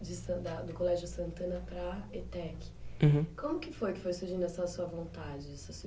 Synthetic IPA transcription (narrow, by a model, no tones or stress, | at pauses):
d͡ʒɪsɐ̃d̪ɐd̪ʊkolɛʒʊsɐ̃nt̪ɐ̃nɐpɾɐet̪ɛkɪ̥̃kõmʊkɪfojkɪ̥fojsuɾʒĩnd̪ʊɐsɐsuɐvõnt̪ad͡ʒɪɛsɐsu